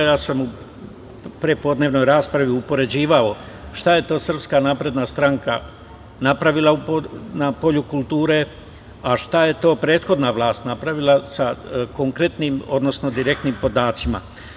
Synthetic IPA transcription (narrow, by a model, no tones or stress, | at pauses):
jaːsamu | pɾepo̞d̪neʋno̞jɾaːspɾaʋiupo̞ɾe̞d͡ʑiːʋao̞ | ʃt̪aje̞t̪o̞ːsr̩pskanaːpɾe̞d̪nast̪ɾaŋka̰ | napɾaʋilˠauponapo̞ʎukulˠt̪uːɾe̞ | aʃt̪aje̞t̪o̞ːpɾe̞ːt̪xo̞d̪naʋlˠaːst̪napɾaʋilˠasako̞ŋkɾe̞t̪niːmo̞d̪no̞sno̞d̪iɾe̞k̚t̪nimpo̞d̪aːt̪sima̰